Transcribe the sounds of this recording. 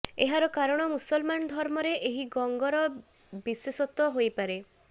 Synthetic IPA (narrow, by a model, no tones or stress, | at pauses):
eɦaɾɔkaɾɔɽ̃ɔmusɔlmanɔd̪ʱɔɾmɔɾeʔeɦiɡɔŋɡɔɾɔ | bisesɔt̪ɔɦojpaɾe